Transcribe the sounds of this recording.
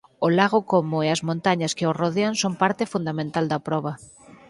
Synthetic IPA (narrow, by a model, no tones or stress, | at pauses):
ʊlaɣokomʊeɐzmõnt̪aɲɐskeoroðeaŋsompaɾt̪ɪfund̪amẽnt̪ald̪ɐpɾɔβ̞ɐ